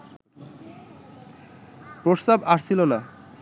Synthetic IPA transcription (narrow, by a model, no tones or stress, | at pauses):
pɾost̪abaɾsilona